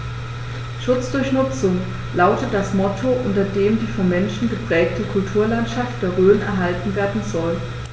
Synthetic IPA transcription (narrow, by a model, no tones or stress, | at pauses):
ʃʊt͡sd̥ʊɐçnʊt͡sʊŋ | laʊtət̚d̥asmɔtʰoʔʊntɐdeːmdiːfɔnmɛnʃn̩ɡəpʁ̥ɛːk̚təkʰʊltʰuːɐlantʃaft̚d̥eːɐʁøːənɛɐɦaltn̩veːɐdn̩zɔl